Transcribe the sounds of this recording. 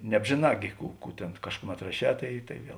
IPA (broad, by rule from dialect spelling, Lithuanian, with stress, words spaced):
nʲɛbʲʒʲeːˈnɑː ɡʲɪ ˈkuː ˈkuː tʲeːn ˈkɑːʃkʊˌmʲɛt rɐˈʃʲɛː ˈtɐɪ ˈtɐɪ ˈʋʲiɛlˠ